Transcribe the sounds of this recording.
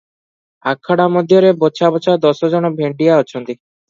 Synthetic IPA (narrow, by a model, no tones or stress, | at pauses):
akʰːaɽamod̪ʱjɔɾebɔt͡ʃʰabɔt͡ɕʰad̪ɔsɔd͡ʒɔnɔbʱeɳɖijaɔt͡ʃʰɔnt̪i